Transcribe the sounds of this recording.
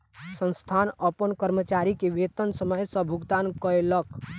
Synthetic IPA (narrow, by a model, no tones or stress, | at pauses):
sə̃nst̪ʰanəpənkəɾmət͡ʃaɾikeʋet̪ənsəməjsə̃bʱuɡd̪ankəelək